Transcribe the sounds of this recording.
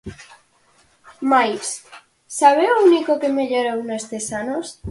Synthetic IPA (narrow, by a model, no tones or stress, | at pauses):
majs | saβeounikokemeʎoɾewnest̪esanos